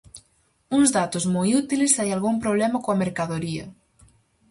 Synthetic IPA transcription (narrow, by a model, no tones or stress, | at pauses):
uŋzðat̪ozmɔjut̪ilesajalɣumpɾoβ̞lɛmɐkoɐmeɾkaðoɾiɐ̰